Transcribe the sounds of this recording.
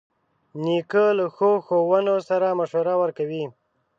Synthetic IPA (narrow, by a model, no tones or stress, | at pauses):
nikələxoxowənosaɾamaʃoɾawəɾkawi